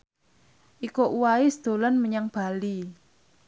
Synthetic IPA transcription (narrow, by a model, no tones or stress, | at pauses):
ʔikoʔuwaisd̪̥o̤lanməɲaŋb̥a̤li